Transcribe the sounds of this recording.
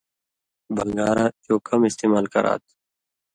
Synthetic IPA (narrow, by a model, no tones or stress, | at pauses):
bʱəŋɡaːɾaːt̪oːkɐmɪst̪eːmaːlkɐɾa̰ːt̪̚ʰ